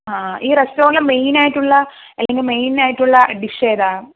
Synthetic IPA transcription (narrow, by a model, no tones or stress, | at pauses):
aːiːɾestoːŋlemejnaːjiʈːuɭːɐ | ɐlːeŋɡilme̞jnaːjiʈːuɭːɐɖiʂeːd̪aː